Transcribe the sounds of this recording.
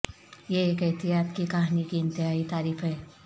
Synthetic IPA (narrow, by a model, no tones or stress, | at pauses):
jeekət̪iɦat̪kikaɦnikiːnt̪iɦait̪aːɾiːfəe